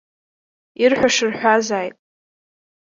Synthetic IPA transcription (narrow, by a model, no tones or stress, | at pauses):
irħʷᶣaʂɨrħʷazaːjtʼ